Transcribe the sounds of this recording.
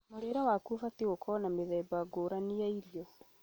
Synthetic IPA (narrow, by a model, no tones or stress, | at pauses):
moɾeɾawakufatiɣokɔnameðɛːbaɡoɾaniaiɾjɔ